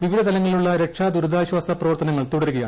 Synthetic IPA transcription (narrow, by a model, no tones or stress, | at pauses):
ʋiʋid̪ʱɐt̪ʰɐlɐŋːɐɭiluɭːɐɾe̞kʂaːd̪uɾɐd̪aːɕwaːsɐprɐʋɐrt̪ɐnɐŋːɐɭt̪uɽɐɾuɣɐjaː